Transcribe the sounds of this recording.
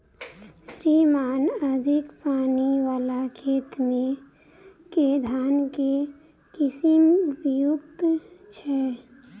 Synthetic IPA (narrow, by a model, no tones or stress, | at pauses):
sɾimaːnəd̪ʱikpaːniʋaːlakʰeːt̪mẽ | ked̪ʱaːnke | kisimbjukt̪t͡ʃʰɛ